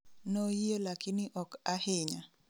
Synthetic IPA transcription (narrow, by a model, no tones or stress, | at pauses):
nojjelakinɪʔɔkahɪɲa